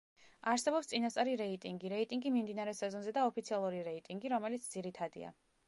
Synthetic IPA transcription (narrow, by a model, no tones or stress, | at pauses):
aɾsɛbɔpst̪sʼinast̪ʼaɾiɾɛit̪ʼiŋɡiɾɛit̪ʼiŋɡimimd̪inaɾɛsɛzɔnzɛd̪aɔpʰit̪sʰialˠuɾiɾɛit̪ʼiŋɡiɾɔmɛlit̪sʰd̪ziɾit̪ʰad̪ḭa̰